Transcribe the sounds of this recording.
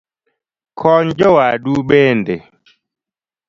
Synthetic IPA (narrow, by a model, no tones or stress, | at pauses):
kʰɔɲd͡ʒɔwaɗuɓɛndɛ